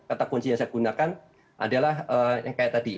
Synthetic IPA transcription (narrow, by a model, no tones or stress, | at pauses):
kat̪akunt͡ʃiɲaŋsajaɡunakan | ʔa̰dalaɦəjaŋkajaʔt̪adi